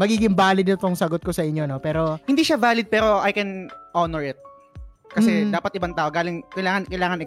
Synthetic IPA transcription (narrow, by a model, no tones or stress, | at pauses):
mɐɡiːɡɪŋbaːlɪd̪ɐt̪oŋsɐɡot̪̚kosɐʔɪɲːo̞nopɛːɾo̞hɪnd̪iːʃavaːlɪd̪̚pɛːɾo̞ʔɐjkɛnʔonɛɹɪt̪̚ | kɐsɛd̪aːpɐt̪ʔɪbɐŋt̪aːʔoɡaːlɪŋkɐjlaːŋɐnkɐjlaːŋɐnʔɪ